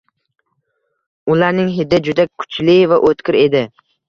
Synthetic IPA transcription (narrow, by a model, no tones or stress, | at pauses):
ʊlaɾnɪŋɦɪd̪ɪd͡ʒʊd̪akʰʊ̥t͡ʃlɪvaʔot̪kʲɪɾe̞d̪ɪ